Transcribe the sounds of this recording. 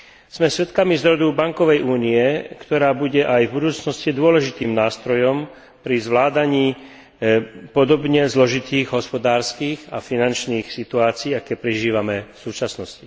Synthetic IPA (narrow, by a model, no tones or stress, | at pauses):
z̥mɛsʋɛt̪kamizɾɔd̪ubaŋkɔʋɛjʔuːniɛkt̪ɔɾaːbuɟɛʔajvbud̪uːt͡snɔscid̪ʊɔlɛʒit̪iːmnaːst̪ɾɔjɔm | pɾizʋlaːd̪aɲiː | pɔd̪ɔbɲɛzlɔʒit̪iːɣɦɔspɔd̪aːɾskiːɣa̰finant͡ʃniːxsit̪uaːt͡siːakɛpɾiʒiːʋamɛfsuːt͡ʃasnɔsci